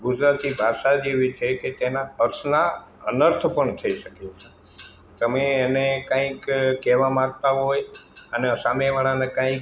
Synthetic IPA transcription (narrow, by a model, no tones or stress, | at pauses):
ɡʊd͡ʒɾat̪ibʱaʃad͡ʒeʋit͡ʃʰeket̪enaəɾsna | ənəɾt̪ʰəpəɳt̪ʰəiʃəket͡ʃʰe | t̪əmeːnekãĩkkɛʋamak̚t̪aɦojəneəsameʋaɭanekãĩk